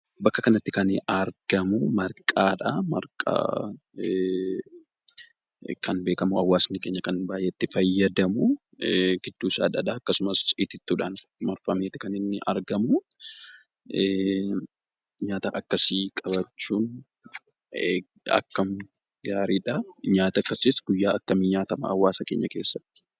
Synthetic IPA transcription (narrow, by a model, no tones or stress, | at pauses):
bɐkːɐkɐnɐt̪ːɪkɐnɐɾɡ̥ɐmʊmɐɾkʼaːᶑɐmɐ̰ɾkʼa̰ː | kʰɐnbe̞ːkɐmʊɐwːaːsnɪke̞ːɲːɐkɐnbaːjeːt̪ːɪfɐjːɐd̪ɐmʊ | ɡ̥ɪd̪̥ːuːsa̰ːᶑɐᶑɐɐkːɐsʊmɐsɪt̪ɪt̪ːuːᶑanmɐɾfɐmeːt̪ɪkɐnɪnːɪʔɐɾɡɐmʊ | ɲaːt̪ɐʔɐkːɐsiːkʼɐbɐt͡ʃːuːn | ɐ̰kːɐm | ɡaːɾiᶑɐɲaːt̪ɐkːɐsɪsɡ̥ʊjːaːɐkːɐmiɲaːt̪ɐmɐ̰ɐwːaːsɐke̞̰ːɲːɐke̞ːsːɐ̥tː